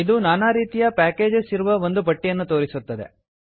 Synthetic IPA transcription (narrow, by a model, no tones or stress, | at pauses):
id̪unaːnaɾiːt̪ijɐpaːke̞ːd͡ʒesiɾuʋɐo̞nd̪ubɐʈːijɐnːut̪o̞ːɾisut̪ːɐd̪ḛ